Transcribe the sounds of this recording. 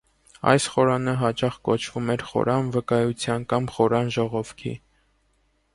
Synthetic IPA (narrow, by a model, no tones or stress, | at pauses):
ɑ̰jsχɔɾɑnəɦɑt͡ʃɑχkɔt͡ʃʰv̥umɛɾχɔ̰ɾɑnvəkɑjut͡sʰjɑnkɑmχɔɾɑnʒɔʁɔvkʰḭ